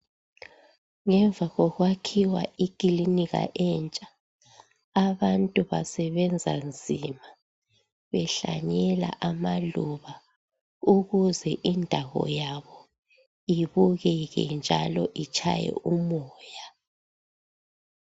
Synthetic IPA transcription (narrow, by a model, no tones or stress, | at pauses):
ŋɛɱvʱaɣɔɣwakʰiwaʔikʼiliniɣa̰ʔɛnt͡ʃʼḁː | βantʼuβasɛβɛnd͡zʱa̰nd͡zʱima | βɛɬa̰ɲɛla̰ʔamaluβa | uɣuzɛʔindʱaɣɔ̰jaβɔ | iβuɣɛɣɛ̰nd͡ʒʱalɔʔit͡ʃʼʰa̰jɛ̰umɔːja